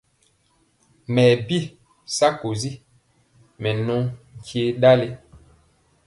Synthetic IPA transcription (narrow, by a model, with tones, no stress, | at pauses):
mɛː˨bi˦ | sa˦ko˨zi˦ | mɛ˨nɔ̃˦ŋ̩˨kʰje˦ɗa˦le˦